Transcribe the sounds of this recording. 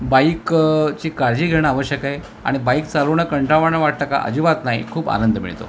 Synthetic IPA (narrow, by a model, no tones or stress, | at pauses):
baikt͡ɕiːkaɾd͡ʑiːɡʱeɳ̃aʋəɕjəkaɦe | a̰ɽ̃ibaik̚t͡saloɳjakəɳʈɾaʋaɳaʋaʈ̚t̪aka̰ʔə̰d͡ʑiʋat̪naɦḭkʰuːpa̰nənd̪əmḭɭt̪o̰